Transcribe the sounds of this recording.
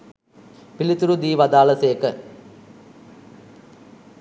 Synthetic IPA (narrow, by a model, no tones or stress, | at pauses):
pilit̪ːuɾud̪iːʋɐd̪aːlɐseːkːɐ